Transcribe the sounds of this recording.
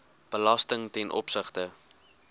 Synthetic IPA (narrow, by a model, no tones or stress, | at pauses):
b̥əlɐstəŋtɛnʔɔ̰psəχtə